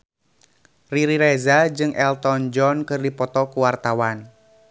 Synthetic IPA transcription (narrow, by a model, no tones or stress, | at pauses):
riɾiɾɛzad͡ʒɨŋʔɛlt̪ɔnd͡ʒɔnkɨrdipɔt̪ɔkuwart̪awan